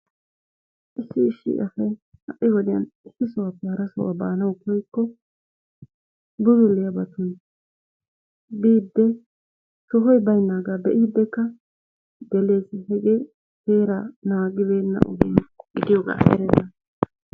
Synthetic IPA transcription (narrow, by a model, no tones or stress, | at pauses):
ʔɪsːɪːʃːɪ̰ʔɐsɐj | hɐʔɪwɔd̪ɪjɐ̰nɪsːɪsʊwaːpːɛhɐɾɐsɔ̰wa̰ba̰ːnɐwkɔjkːɔ | bʊzʊlːɪjɐbɐt̪ʊn | biːd̪ːɛ | sɔɦɔjbɐjnːaːɡaːbɛʔiːd̪ːɛkːɐ | d̪ɛle̞ːsɪhɛɡeː | teːɾanaːɡɪbeːnːɐ̰ʔʊ̰ɡɛnɡɪd̪ɪjoːɡa̰ːsɛ̰ɾɛnːɐ